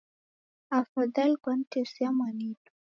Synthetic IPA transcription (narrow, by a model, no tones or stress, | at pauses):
afad̪alkwantesjamanitu̥